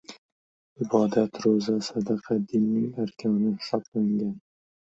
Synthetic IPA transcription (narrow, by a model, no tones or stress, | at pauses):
ɪbɒd̪at̪ɾozasad̪ɑqʰɑd̪ɪnːɪŋaɾkʲʰawnɪhɪsɒblaɪŋɡʲan